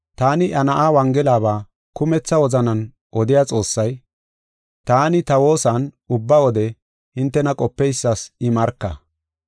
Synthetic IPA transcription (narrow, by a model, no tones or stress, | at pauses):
t̪aːnɪʔɐnɐʔaːwɐŋɡɛlaːβaː | kʊmɛt͡sːɐwɔzɐnɐn | ʔɔd̪ɪjat͡sʼo̞ːsːɐj | t̪aːnɪt̪ɐwo̞ːsɐn | ʊbːɐwɔd̪ɛ | hɪnt̪ːɛnɐkʼɔpːɛjsːasɪmɐɾkːɐ̰